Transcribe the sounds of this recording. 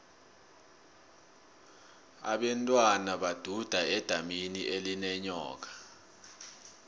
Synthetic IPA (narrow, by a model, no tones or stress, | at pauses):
a̰ɓɛntʼwanaɓad̥ʱud̥ʱaɛd̥ʱaminiʔelinɛɲɔ̰ːk̬ḁ